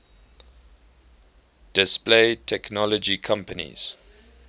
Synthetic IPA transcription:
d̥ɪspleɪtʰɛknɔlɔd͡ʒikʰãmpənḭz̥

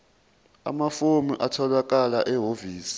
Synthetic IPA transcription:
a̰mafomiʔatʰɔlwak̬ʼalaʔɛɦoviːsi̥

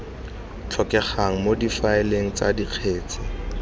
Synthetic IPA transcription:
t͡ɬʰɔkɛχaŋ̩modifaɪleŋ̩t͡sadiq͡χʰeːt͡sʰʼɪ

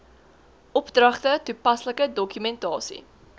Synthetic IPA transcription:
ʔɔpdrɐχtətupɐsləkədɔkymɛntɑːsḭ

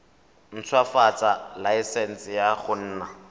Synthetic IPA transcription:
n̩t͡sʰwafat͡sʼalaisɛn̩sɪjaχʊn̩ːna

